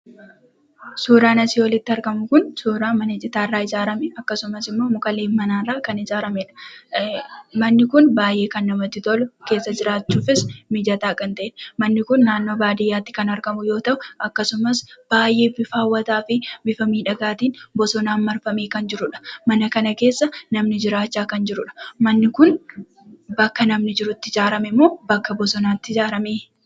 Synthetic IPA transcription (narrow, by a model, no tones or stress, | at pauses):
suːɾaːnɐsiːwɔlɪt̪ːɪɐɾkɐmʊkʊnsuːɾaːmɐnɐd͡ʒɪt̪aːrːaːɪzaːɾɐmɛɐkːɐsʊmɐsɪmːo̞ːmʊkʼɐleːmɐnaːnraːkɐnɪzaːɾɐmɛᶑɐ̥ | mɐnːɪkʊnbaːjʔe̞ːkɐnːɐmɐt̪ːɪt̪ɔlke̞ːsːɐd͡ʒɪɾaːt͡ʃːuːfɪsmɪd͡ʒɐt̪aːkʼɐnt̪ɐʔeᶑmɐnːɪkʊnːaːnːo̞ːbaːd̪ɪjːaːt̪ːɪ̥kɐnɐɾkɐmʊjo̞ːt̪ɐʔʊɐkːɐsʊmɐsb̥aːjʔe̞ːbɪfaːwːɐt̪aːfɪbɪfɐmiːᶑɐɡaːt̪iːnbɔsɔnaːnmɐɾfɐmeːkɐnd͡ʒɪɾʊᶑɐ̥mɐnɐkɐnɐke̞ːsːɐnɐmnɪd͡ʒɪɾaːt͡ʃːaːkɐnd͡ʒɪɾʊᶑɐ̥mɐnːɪkʊn | bɐkːɐnɐmnɪd͡ʒɪɾʊt̪ːɪd͡ʒaːɾɐmɛmːo̞ːbɐkːɐbɔsɔnaːt̪ːɪd͡ʒaːɾɐmeː